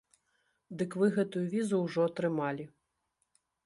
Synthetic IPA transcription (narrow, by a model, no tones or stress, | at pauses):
d̪ɨkvɨɣɛt̪ujuvʲizuwʐɔɐt̪ɾɨmalʲi